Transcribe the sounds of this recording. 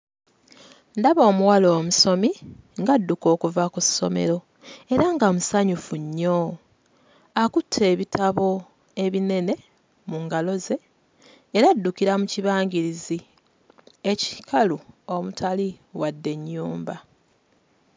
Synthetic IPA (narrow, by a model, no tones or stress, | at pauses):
ndaβo̞ːmuwalo̞ːmuso̞miŋɡadːuko̞ːkuvakusːo̞̰me̞̰ɾo̞ | e̞ɾaŋɡamusaɲufuɲːo̞ | akutʰːe̞ːβitʰaβo̞ | e̞βine̞ne̞ | muŋɡalo̞ze̞ː | ɾadːukiɾamuciβaːŋɡiɾizi | eci̥kaluo̞mutʰaliwadːe̞ɲːuːmba